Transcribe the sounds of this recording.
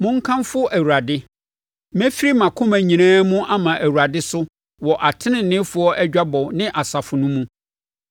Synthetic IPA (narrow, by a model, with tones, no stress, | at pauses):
mʊ̃˦ŋ̩˦kʰã˦mfʊ˦ʔæ˨wu˨ɾa˨dɪ˦ | mɛ̃˦fi˦ɾi˦mã˨kʰʊ̃˦mæ̃˨ɲĩ˨nãː˦mũ˦ʔa˦mã˨ʔæ˨wu˨ɾa˨dɪ˦sʊ˦ | wɔ˨ʔa˨tʰɪ˦nɪ̃˨n̩˨nɪ̃˦fʊ˦ɔ˦ʔæ˦d͡ʑᶣa˦bɔ˨nɪ̃˦ʔa˨sa˨fʊ˨nʊ̃˦mũ˦